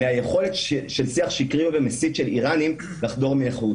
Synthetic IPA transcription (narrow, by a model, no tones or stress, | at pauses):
meajeχo̞let̪ʃelsiaχʃikʁimvemesit̪ʃe̞liʁanim | laχdo̞ʁmieχu